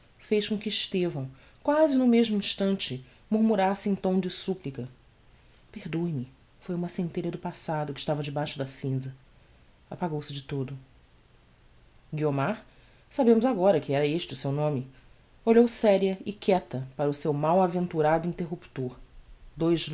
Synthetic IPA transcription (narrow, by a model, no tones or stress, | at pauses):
fejʃkõkɪːʃt̪evɐ̃w̃ | kwazɪnʊmeʒmʊĩʃt̪ɐ̃nt͡ʃɪ | muɾmuɾasɪẽt̪õw̃d͡ʒɪsuplikɐ | peɾd̪oimɪ | fojũmɐsẽnt̪eʎɐd̪ʊpasad̪ʊkɪ̥ʃt̪avɐd͡ʒɪbajʃʊd̪ɐsĩzɐ | apaɡowsɪd͡ʒɪt̪od̪ʊ | ɡiomaɾ | sabẽmʊzaɡɔɾɐkɪɛɾɐeʃt͡ʃɪʊsewnõmɪ | oʎowsɛɾiɐɪkʰɛt̪ɐpaɾɐʊsewmawavẽnt̪uɾad̪ʊĩnt̪eɦupt̪oɾd̪ojʒ